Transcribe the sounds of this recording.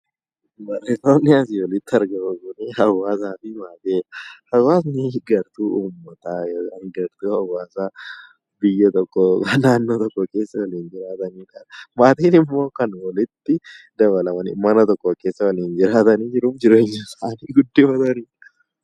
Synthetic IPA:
bɐreːsoːnːɪɐs̬ɪwɔlɪt̪ːɪɐɾɡɐmɐɡʊneːhɐwaːsaːfɪmaːt̪eːhɐwaːsnɪɡɐɾt̪uːʔuːmːɐt̪ajoːanɡɐɾt̪uːhɐwaːsa | bɪjːɐt̪ɔkʼːɔnaːnːoːt̪ɔkʼːɔke̞ːsːɐwɐliːnd͡ʒɪɾaːt̪ɐniːkɐmaːt̪iːnɪmːo̞ːkɐnwɔlɪt̪ːɪ | d̪ɐβɐlɐmɐnɪ̰mɐnɐt̪ɔkʼːɔke̞ːsːɐwɐliːnd͡ʒɪɾaːt̪ɐniːd͡ʒɪɾuːfd͡ʒɪɾeɪɲɪsaːniːɡʊd̪ːifɐt̪ɐniː

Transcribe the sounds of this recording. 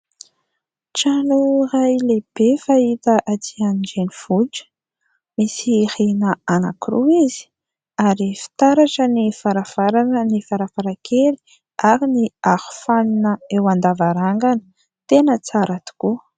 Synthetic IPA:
ʈ͡ʂanurajleb̥efait̪əʔatianid͡ʒeniv̥ud͡ʒə̥ | misihinəana̰kɾuizi̥ | aɾifi̥t̪aɾaʈ͡ʂənifaɾavaɾanənifaɾafaɾakʰeli̥ | aɾiniahu̥faninəewand̪avaɾaŋɡanə̥ | t̪enət͡saɾat̪u̥ku

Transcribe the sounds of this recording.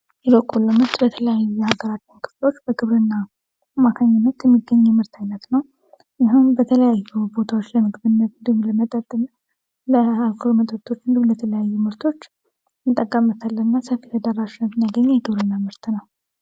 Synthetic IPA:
jɛβəkʼːulːəmɨɾt̪bət̪ʰələjajujɛhaɡəɾat͡ʃːɨnkʰɨ̥flo̞t͡ʃːb̥əɡɨβɾɨnːa | mːakʰaɲːɪnːət̪jɛmːiɡːəɲːɛmɨɾt̪ʰajnːət̪nəw | jɪɦumbət̪ʰələjajːubo̞t̪ʰawo̞t͡ʃːləmɨɡɨbɨnːət̪nd̪ihuləmət̪ʼət̪ʼːɨm | ləalkʰɨlumət̪ʼət̪ʰo̞t͡ʃːɨnd̪ɨulɛt̪ʰələjajːumɨɾt̪ʰo̞t͡ʃː | mɨt̪ʼːəkʼːəmːət̪ʰalːənɨnːasəfit̪ʰəd̪arːaʃɪnːət̪njaɡəɲːjɛɡɨβɾɨnːamɨɾt̪ʰnəw

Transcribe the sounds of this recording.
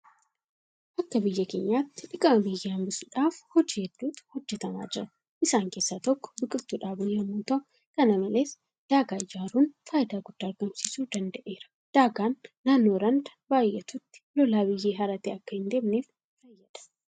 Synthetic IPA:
ʔɐkːɐbɪjːɐke̞ːɲːaːt̪ːɪ̥ᶑɪkʼɐmɐbɪjːaɐmbɪsuᶑaːfhɔd͡ʒiːhɛd̪̥ːuːt̪hɔd͡ʒːɛt̪ɐma̰ːd͡ʒɪɾɐ | ʔɪsaːŋke̞ːsːaːt̪ɔkːɔ̥bɪkʼɪbt̪uːᶑaːbʊjɐmːuːt̪ɐʔ | kɐnɐmɐle̞ːs | d̪̥aːɡaːɪd͡ʒaːɾuːnfaːʔɪd̪aːɡʊd̪̥ːaːɐɾɡɐmsiːsuːd̪ɐnd̪ɐʔeːɾɐ̥ | d̪̥aːɡaːnːaːnːo̞ːɾɐnd̪ɐbaːjʔɛt̪ʊt̪ːɪ̥lɔlaːbɪjːeːɦɐɾɐt̪eːɐkːɐhɪnd̪e̞ːmneːf | fɐjːɐᶑɐ̥

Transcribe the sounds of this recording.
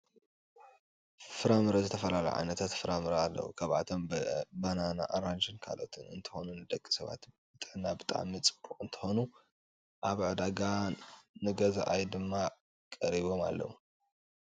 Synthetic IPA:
fɨɾamɨɾɐzɨt̪ʰɐfɐlalɐ̰ʕa̰jnɐt̪ʰat̪fɨɾamɨɾɐalːɐ̰wṵkʰaβʕa̰t̪ʰo̞mbanana̰ʔaɾand͡ʒɨnkʰa̰lo̞̰t̪ʰɨnɨ̰nt̪ʰɨ̥xo̞nunɨd̪ɐkʼːi̥sɐβa̰t̪bɨt̪ʼɨʕnabɨt̪ʼa̰ʕmit͡sʼɨ̥bʼuʔʼɨnt̪ʰɨ̥xo̞nu | ʔaβʕɨd̪aɡanɨɡɐza̰ʔajd̪ɨmːa | kʼɐɾiβo̞ma̰lːɐ̰wu

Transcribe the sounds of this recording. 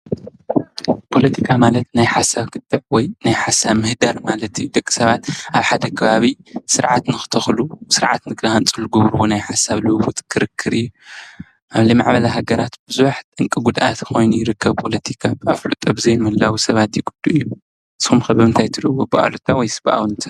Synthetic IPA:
pʰo̞lɐt̪ʰikʰamalɐt̪najħasaβkʰɨt̪ʼːɨʕwɔjnajħasaβmɨhd̪aɾmalɐt̪ʰjud̪ɐkʼːi̥sɐβat̪ʔaβħad̪ɐkʰɐβaβisɨɾʕat̪nɨxɨ̥t̪ʰɐxlusɨɾʕa̰t̪nɨɡɾahant͡sʼɨlɨɡoβɾwonajħasaβlɨβut̪ʼkʰɨɾɨkʰːɨɾɨjːu | ʔaβlimaʕbɐlaɦaɡɐɾat̪b̥ɨzuwaħt̪ʼɨŋkʼiɡud̪ʔa̰t̪xo̞jnujɪɾɨkʰːɐβpʰo̞lɐt̪ʰikʰabaflut̪ʼɐbɨzɐjmɨlːawisɐβat̪jɪɡud̪̥ːuʔɨjːu | sxumxɐβɐmɨnt̪ʰajt̪ʰɨɾʔwobɨʔa̰lut̪ʰawɔjsɨbʔa̰wnt̪ʰḁ

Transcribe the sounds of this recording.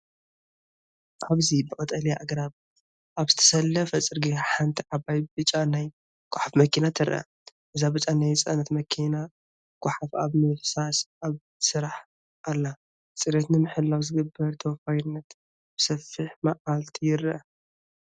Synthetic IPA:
ʔaβzibɨkʼɐt̪ʼɐljaʔaɡɾaβ | ʔaβzɨt̪ʰɐ̥sɐlːɐfɐt͡sʼɨɾɡeħant̪ʰiʕaβajbɨt͡ʃʼanaj | ɡ̥ʷaħafmɐkʰinat̪ʰɨɾʔɐ̰ | ʔɨzabɨt͡ʃʼanajt͡sʼɐnɐt̪mɐkʰina | ɡ̥ʷʰʼʊħafaβmɨħsasʔaβ | sɨɾaħ | ʔalːa | t͡sʼɨɾet̪nɨmɨħɨlːawzɨɡɨbːɐɾt̪ʰɐwfajɪnːɐt̪ | b̥ɨsɐfɨħmaʔalt̪ʰijɪɾɐ

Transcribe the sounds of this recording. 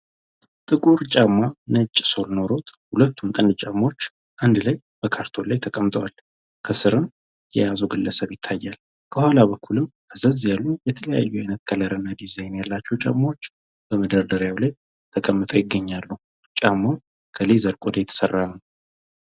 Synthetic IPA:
t̪ʼɨkʼuɾt͡ʃʼamːanət͡ʃʼːso̞lno̞ɾo̞t̪hulət̪ʰːumt̪ʼənt͡ʃʼamːo̞t͡ʃː | ʔand̪laj | b̥əkʰaɾt̪ʰo̞lajt̪ʰəkʼəmt̪ʼəwal | kʰəsɨɾɨm | jɛjazəwɡɨlːəsəβjɪt̪ʰːajːal | kʰəhwalabəkʰːulɨmʔəzəzjalːujɛt̪ʰələja̰jːuajnət̪kʰələɾənːad̪izejnjalːat͡ʃːɛwt͡ʃʼa̰mːawo̞t͡ʃː | b̥əməd̪əɾd̪əɾjawlaj | t̪ʰəkʼəmːɨt̪ʼojɪɡːəɲːalːəu | t͡ʃʼamːaw | kʰəlezəɾkʼod̪əjɛt̪ʰə̥sərːanəw

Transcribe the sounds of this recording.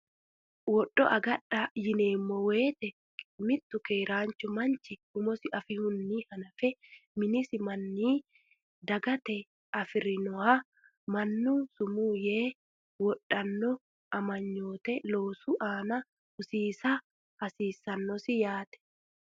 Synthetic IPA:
wɔɗːɔʔɐɡɐᶑajɪne̞ːmːɔwe̞ːt̪ɛ | mɪt̪ːʊkeːɾaːnt͡ʃʊmɐnt͡ʃɪʊmɔsɪʔɐfɪhʊnːiːhɐnɐfɛmɪnɪsɪmɐnːiː | d̪ɐɡɐt̪ɛ | ɐfɪɾɪnɔha | mɐnːuːsʊmuːjeː | wɔᶑːɐnːɔ | ʔɐmɐɲːo̞ːt̪ɛlo̞ːsuʔaːnɐ | ʊsiːsa | ɐsiːsːɐnːɔsɪjaːt̪ɛ̥

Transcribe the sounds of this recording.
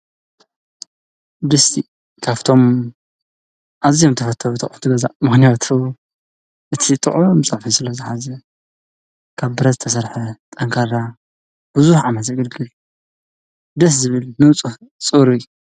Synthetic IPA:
d̪ɨst̪i | kʰaβt̪ʰo̞m | ʔazijomt̪ʰɐfɐt̪ʰːɐɾut̪ʰɐχʼnt̪ʰɨɡɐza̰ʔmɨxnijat̪ʰu | ʔɨt̪ʰit̪ʼɨʕujomt͡sʼɐʕfisɨlɐzɨħazɐ | kʰaβbɨɾɐt̪zɨt̪ʰɐsɐɾħɐt̪ʼɐŋkʰaɾa | b̥ɨzuħʕamɐt̪zɐɡɨlɡɨl | d̪ɨszɨβɨlnɨt͡sʼuħ | t͡sʼɨɾɨju

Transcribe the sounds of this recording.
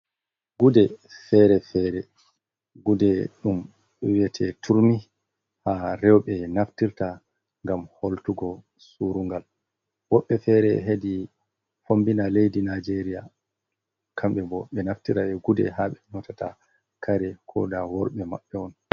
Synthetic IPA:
ɡudɛfɛɾɛfɛɾɛ | ɡudɛɗum | ɓɛwiɛtʰɛtʰuɾmi | haɾɛwɓɛnaftiɾta | ŋɡamholtuɡɔ | suɾuŋɡal | wɔɓːɛfɛɾɛɦedi | fombinalejdinad͡ʒeɾija | kʰamɓɛbɔɓɛnaftiɾaɓɛɡudɛ̰ɦaɓɛnɔtata | kʰaɾɛkʰɔ̰dawɔɾɓɛma̰ɓːɛɔn

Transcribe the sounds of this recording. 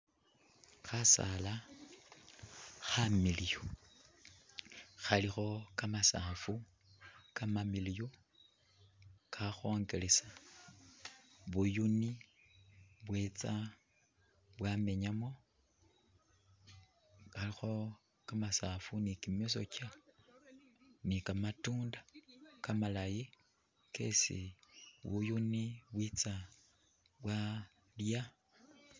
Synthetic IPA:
xasa̰la | xamilijo | xalixo̞kamasafu | kamamilijo | kʰaxoːŋɡelesa | βujuni | βwet͡sa | βwame̞ɲamo̞ | alixo̞ | kamasafunikimeso̞̰ca | nikamatuːndakamalaji | ke̞̰sḭβṵjuniβwit͡sa | βwa | lja

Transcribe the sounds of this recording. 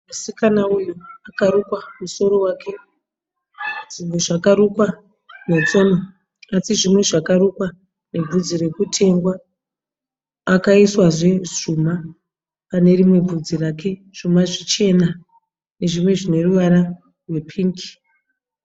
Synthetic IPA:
masikanaunuakaɾukwamuso̞ɾo̞waːkʰe̞ | ʐimweʐakaɾukwa | net͡so̞no | asiʐimwe̞ʐakaɾukwa | ne̞b͡vʱud͡ziɾe̞kutʰe̞ŋɡwa | kaiswaʐe̞ʐuma | pane̞rimwe̞b͡vʱud͡zirakʰe̞ | ʐ̥umaʐit͡ʃe̞na | ne̞ʐimwe̞ʐine̞ruʋaɾa | rwe̞pʰiːŋki̥

